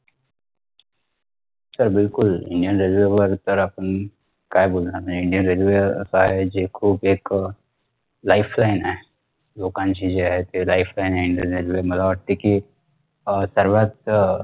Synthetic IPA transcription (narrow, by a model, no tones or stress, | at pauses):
səɾbɪlkʊlɪ̰̃ɳɖijənɾelʋebəɾt̪əɾɐpən | kaːeboːlnamɪ̃ɳɖijənɾeːlʋḛsaɦɛd͡ʒeːkʰuːbeːk | laɪpʰlaːɪnɦɛː | loːkãnt͡ʃid͡ʒeɦɛt̪elaːɪpʰlaːɪnɦɛɪ̃ɳɖijənɾelʋemɐlaəʈt̪eki | səɾʋaːt̪